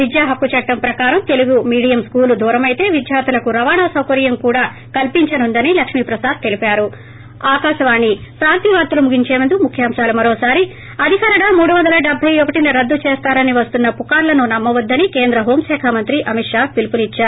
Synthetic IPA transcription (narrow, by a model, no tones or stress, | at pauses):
ʋid̪jaːɦɐkːut͡ʃɐʈːɐmpɾɐkaːɾɐmt̪e̞luɡumiːɽijɐmskuːlud̪ʱuːɾɐmɐjt̪e̞ːʋid̪jaːt̪ulɐkuɾɐʋaːɳaːsɐwkɐɾijɐmkuːɽaː | kɐlpiɲt͡ʃɐnund̪ɐnilɐkʂmiːpɾɐsaːd̪̚t̪e̞lipaːɾu | aːkaːʃɐʋaːnːipɾaːnt̪iːʋaːɾt̪ulumuɡiɲt͡ʃeːʋɐnd̪umukʰjaːmʃaːlumɐɾoːsaːɾi | ɐd̪ʱikaːɾɐɽaːmuːɽuʋɐnd̪ɐlɐɖebʱɐjɔkɐʈinɐɾɐd̪ːut͡ʃeːst̪aːɾɐniʋɐst̪unːɐpukaːɾlɐnunɐmːɐʋɐd̪ːɐnike̞ːnd̪ɾɐɦoːmʃɛːkʰamɐnt̪ɾiʔɐmiʈʂaːpilpulit͡ʃːaːɾ